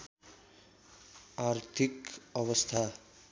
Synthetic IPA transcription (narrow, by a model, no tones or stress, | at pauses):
art̪ʰikʌβʌst̪ʰa